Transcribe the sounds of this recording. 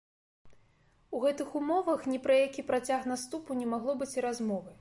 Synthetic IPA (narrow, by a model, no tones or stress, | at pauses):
uɣɛt̪ɨxumɔvɐxnʲɛpɾɐjakʲipɾat͡sʲaxnast̪upunʲɛmaɣlˠɔbɨt͡sʲiɾazmɔvɨ